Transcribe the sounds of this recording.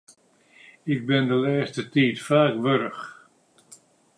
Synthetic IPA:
ɪk̚bɪndəlɛːstətiːtfaːkʋøɾəx

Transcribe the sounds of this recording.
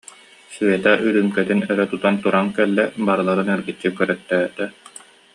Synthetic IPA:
syɛt̪aʔyɾɯmkɛt̪inœɾœt̪ut̪ant̪uɾaŋkɛlːɛbaɾɯlˠaɾɯnɛɾɡitːikœɾœt̪ːœːt̪ɛ

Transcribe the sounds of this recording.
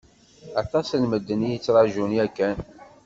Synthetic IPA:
ɑt̪ˤɑslməd̪ːənijət͡sːɾˤɑʒuniækːæn

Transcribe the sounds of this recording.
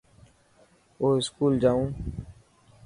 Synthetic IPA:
oːɪskuːld͡ʒaːũː

